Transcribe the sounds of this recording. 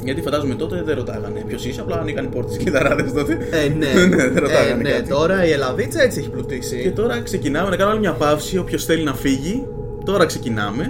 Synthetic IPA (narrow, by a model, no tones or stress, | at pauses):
ʝɐt̪ifɐnd̪ɐzume̞t̪o̞t̪e̞ðeɾo̞t̪ɐɣɐnepço̞siseɐplɐniɣɐnepo̞ɾt̪e̥sked̪ɐɾɐðest̪o̞t̪eeneneðeɾo̞tɐɣɐnenkeɐt̪it̪o̞ɾɐielɐvit͡se̞t͡sieçiplut̪isice̞t̪o̞ɾɐkse̞cinɐme̞nɐkɐnomɐlimɲɐpɐfsio̞pço̞sθe̞linɐfiʝi | t̪o̞ɾɐkse̞cinɐme̞